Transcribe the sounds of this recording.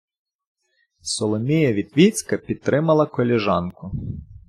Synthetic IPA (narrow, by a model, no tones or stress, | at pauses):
sɔlˠɔmʲijɐʋʲid̪ʋʲit͡sʲkɐpʲid̪̚t̪ɾɪmɐlˠɐkɔlʲɛʒɑnkʊ